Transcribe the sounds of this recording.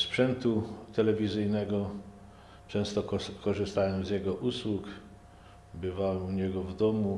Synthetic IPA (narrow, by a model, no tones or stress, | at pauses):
spʂɛnt̪ut̪ɛlɛvʲizɘjnɛɡɔ | t͡ʂɛ̃w̃st̪ɔkɔʐɘst̪awɛmzʲjɛɡɔʔuswuk | bɘvawɛmuɲɛɡɔvd̪ɔmu